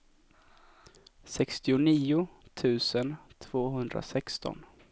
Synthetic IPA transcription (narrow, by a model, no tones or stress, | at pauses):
sɛkst̪ɪʊniːʊt̪ʰʉ̟ːsənt̪ʰv̥oːɦɵnd̪ɾa̰sɛkst̪ɔ̰n